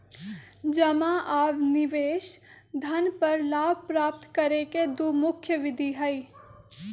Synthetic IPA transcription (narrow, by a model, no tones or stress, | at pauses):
d͡ʒɐmaʔaːʋnɪʋeːʃ | d̪ʱɐnpɐɾlaːbpɾaːp̚t̪kɐɾeked̪umʊkʰjəʋɪd̪ʱiɦɐi